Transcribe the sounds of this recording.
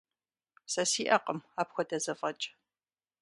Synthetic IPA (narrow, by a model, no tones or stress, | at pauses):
sɐsiːʔɐqəmaːpxʷɔdɐzɐfɐt͡ʃʼ